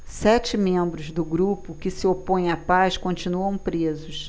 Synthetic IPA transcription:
sɛt͡ʃɪmẽmbɾʊzd̪ʊɡɾupʊkɪsɪopõj̃apaskõnt͡ʃinuɐ̃w̃pɾezʊs

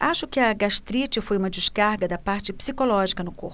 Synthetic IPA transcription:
aʃʊkɪɐɡaʃt̪ɾit͡ʃɪfojumɐd͡ʒɪʃkaɾɡɐd̪ɐpaɾt͡ʃɪpsikolɔʒikɐnʊko̰ɾ

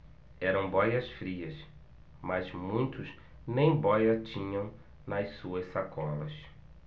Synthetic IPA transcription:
ɛɾɐ̃w̃bɔjɐsfɾiɐs | mɐzmũj̃t̪ʊz | nẽj̃bɔjɐt͡ʃĩɲɐ̃w̃ | nɐssuɐssakɔlɐs

